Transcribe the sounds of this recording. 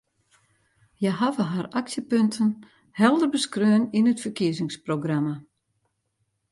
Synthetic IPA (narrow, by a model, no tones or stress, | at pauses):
jɛɦavəɦaraksjəpøntʰən | hɛlˠdərbəskrøːəninətfərkiəzɪŋsproɡrama